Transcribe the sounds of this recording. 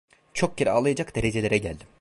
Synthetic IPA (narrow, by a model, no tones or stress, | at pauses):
t͡ʃʰo̞k̚ɟeɾialˠɯjad͡ʒakd̪e̞ɾe̞d͡ʒe̞lʲeɾɛɟælʲd̪im